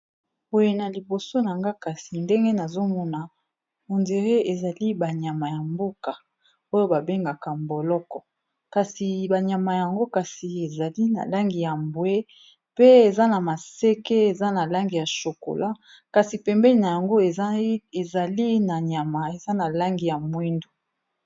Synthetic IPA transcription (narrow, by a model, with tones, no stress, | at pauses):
bo˨je˨na˨li˨bo˨so˦na˨ŋɡa˦ka˨si˨nde˦ŋɡe˦na˨zo˦mɔ˦na˨ | o˨nde˨ʁe˦e˨za˨li˦ba˨ɲa˨ma˨ja˨mbo˦ka˨ | o˦jo˦ba˨be˦ŋɡa˨ka˨mbo˨lɔ˦kɔ˨ | ka˨si˨ba˨ɲa˨ma˨ja˨ŋɡo˦ka˨si˨e˨za˨li˦na̰˨la˦ŋɡi˨ja˨mbwe˦ | pe˦e˨za˦na˨ma˨se˦ke˦e˨za˦na˨la˦ŋɡi˨ja˨ʃo˨ko̰˨lʔa˦ | ka˨si˨pɛ˨mbɛ˦li˨na˨ja˨ŋɡo˦e˨˦e˨za˨li˦na˨ɲa˨ma˨e˨za˦na˨la˦ŋɡi˨ja˨mwi˦ndo˨